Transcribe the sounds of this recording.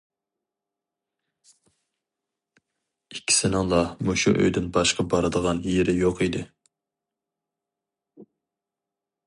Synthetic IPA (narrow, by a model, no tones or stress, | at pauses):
ikʲʰːi̥sɪnɪŋlˠɑmuʃṵʔø̰jd̪ɪnbɑʃqɑbɑɾɨd̪əʁɑnjeɾɪjoqid̪ɪ